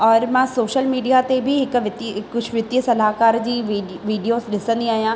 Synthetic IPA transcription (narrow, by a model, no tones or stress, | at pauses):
ɔːɾmãːsoːʃəlmiːɖijat̪ebʱɪɦɪkʋɪt̪ikʊd͡ʑʱʰʋɪt̪iəsɐlaːɦkaːɾd͡ʑiː | ʋiːɖijoːzɗɪsə̃nd̪iaːɦijãː